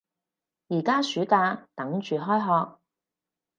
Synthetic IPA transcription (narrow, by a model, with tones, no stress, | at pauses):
jiː˨˩kaː˥syː˨˥kaː˧t̪ɐ˨˥ŋt͡ʃyː˨ɦɔː˥jɦɔː˧k̚